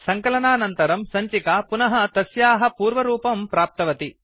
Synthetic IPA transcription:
sɐŋkɐlɐnaːnɐnt̪ɐɾɐmsɐɲt͡ʃikaːpunɐɦɐt̪ɐsjaːɦɐpuːɾʋɐɾuːpɐmpɾaːp̚t̪ɐʋɐt̪i

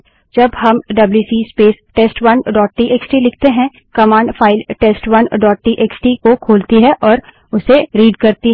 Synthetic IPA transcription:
d͡ʒɐbɦɐmɖɐbljusiːspeːsʈeːsʈwɐnɖɔːʈ̚ʈiːʔeːksʈilɪk̚ʰt̪eɦɛ̃ | kɐmãːɳɖfʰaːɪlʈeːsʈwɐnɖɔːʈ̚ʈiːʔeːksʈikokʰoːlt̪iɦɛ̃ʔɔːɾ | ʊseɾiːɖkɐɾt̪i

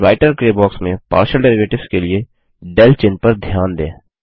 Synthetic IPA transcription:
ɾaːɪʈəɾkɾeːbɔːksmẽpa̰ːɾʃəlɖɛːɾɪʋeːʈɪʋskelie | ɖɛlt͡ʃɪnpɐɾd̪ʱjaːnd̪ḛ̃ː

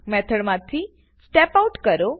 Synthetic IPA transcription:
mɛt̪ʰəɽmãt̪ʰi | sʈɛpauʈkəɾo

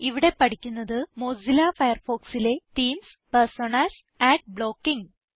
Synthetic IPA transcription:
iʋiɽe̞pɐʈikʲːunːɐðɨmo̞ːzilafɐjɐrfo̞ːksile̞ʈiːms | personaːs | æːʈ̚bɭoːkːiŋ

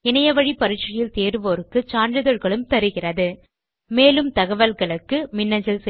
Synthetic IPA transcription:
ɪnɐjɐʋɐɻipːɐɾɪt͡ʃːɐjɪlt̪eːɾɯʋoːɾɯkːɯt͡ʃaːɳɖɯðɔɻɣɐɭɯmt̪ɐɾɯɣɪrɐðɯ | meːlɯmt̪ɐɣɐʋɐlɣɐɭɯkːɯmɪnːɐɲd͡ʒɪlsɛ

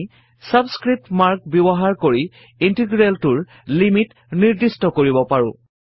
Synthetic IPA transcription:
sabskɹip̚tmaɹk̚bebɔɦaɹkoɹi | intiɡɹeltʊɹ | limit | niɹdistɔkoɹibɔpaɹʊ̰̃

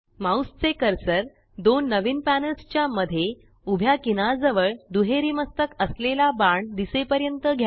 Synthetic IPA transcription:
mawst͡sekəɾsəɾ | d̪onːəʋiːnpænəlst͡ɕjaməd̪ʱːje | ubʱjakinad͡zəʋəɭd̪uɦeɾiːməst̪əkəslelabaɳd̪isepəɾjənt̪əɡʱja

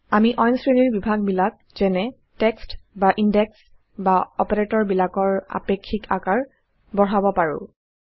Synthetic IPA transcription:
amiʔɔjnsɹeniɹbibʱaɡ̚bilak̚zɛnɛ | tɛkstbaʔindɛks | baɔpaɹetɔɹbilakɔɹa̰pekʰːikakaɹ | bɔɹabɔpaɹʊ̰̃

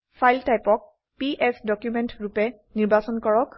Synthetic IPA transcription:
pʰajltajpɔk̚ | piʔɛsdɔkjumɛntɹupɛ | niɹbasɔnkɔɹɔk

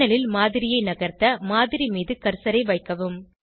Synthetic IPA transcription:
ɐlɪlmaːðɪɾɪjɐɪnɐɣɐɾt̪ɐmaːðɪɾimiːðɯkɐɾsɐɾɐɪʋɐɪkːɐʋɯm

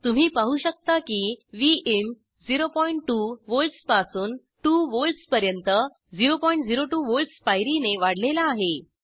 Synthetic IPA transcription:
t̪um̤iːpaɦuːɕək̚t̪akiːʋiʔin | d͡ziɾopɔiɳʈʈːuːʋolʈspasuːn | ʈuːʋolʈspəɾjənt̪ə | d͡ziɾopɔiɳʈd͡ziɾoʈuʋolʈsfajɾineʋaɽ̤lelaːɦe

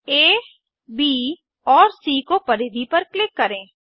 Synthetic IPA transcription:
eː | biː | ɔːɾsiːkopɐɾeːd̪ipɐɾklɪkːɐɾẽː

